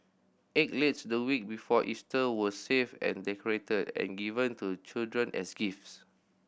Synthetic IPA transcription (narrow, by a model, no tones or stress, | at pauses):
ʔet̚letsdəwik̚bifɔʔistəwəsevɛ̰̃ndɛkɔɹetədɛ̰̃nɡivə̃ntut͡ʃildɹə̃nʔɛsɡifs